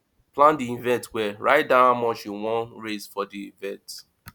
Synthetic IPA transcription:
plãndiĩvɛ̃ntwɛɹaɪt̚dãʊ̃ãmɔ̃ʃuwɔ̃nɹesfɔdiĩvɛ̃t

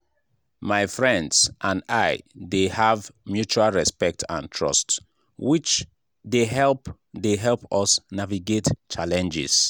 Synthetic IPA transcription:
maɪfɹɛ̃ndsʔãnaɪdehavmjut͡ʃualˠɹɛspɛk̚tʰã̰ntʰɹɔ̰st | wit͡ʃ | deɦɛlp | deɦɛlˠpɔsnaviɡett͡ʃalɛ̃nd͡ʒɪ̰s

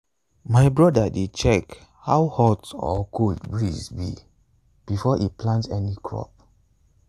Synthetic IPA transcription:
maɪbɹɔdaded̚t͡ʃɛk | hawhɔtɔ̰kʰotbɹizbḭ | b̥ifɔʔiplãntɛnikʰɹɔ̰p̚

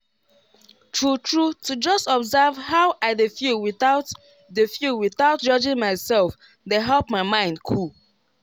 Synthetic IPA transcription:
tʰɹutʰɹutud͡ʒʌstɔbzavhaʊʔaɪdefiwiθaʊt | defjuwiθaʊt̚d͡ʒɔd͡ʒɪ̃ŋmaɪsɛlˠf | deɦɛlpmaɪmãɪ̃ndkʰul

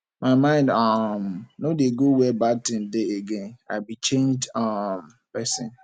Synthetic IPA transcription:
maɪmãɪ̃ndɔmnodeɡowɛbatɪ̃ndɪeɡẽna̰bit͡ʃẽnd͡ʒam | pɛsɪ̰̃n

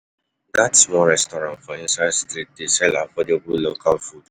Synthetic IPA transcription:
datsmɔɹɛstɔɾãntfɔĩnsaɪstɾit̚desɛlafɔdebulokʰalfud

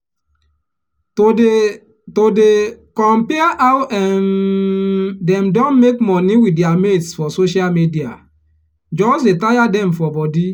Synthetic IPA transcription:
todekɔ̃mpɛaʔawtɛ̃n | dɛmdɔ̃nmekmɔniwideametsfɔsoʃalmidia̰ | d͡ʒɔsdetajadɛmfɔbɔdi

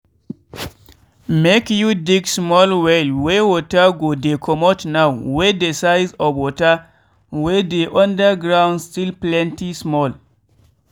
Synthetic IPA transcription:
mekjudiɡsmɔlwɛlwewɔtaɡodekʰɔmɔtnawwedesajzɔbwɔta | wedeʔɔ̃ndəɡɾãw̃nstilplɛ̃ntismɔl

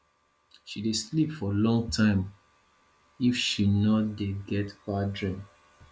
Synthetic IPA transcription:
ʃideslipfɔlɔ̃ŋɡtʰãɪ̃m | ifʃinɔdeɡɛtbadɹĩm

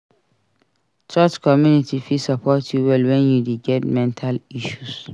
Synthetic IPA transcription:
t͡ʃat͡ʃkʰɔmjunitʰifisapʰɔtʰjuwɛlwɛ̃njudiɡɛtmɛ̃ntʰaliʃus

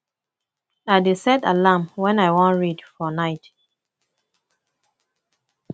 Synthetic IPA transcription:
adesɛdalamwɛ̃naɪwɔ̃nɹidfɔnaɪt

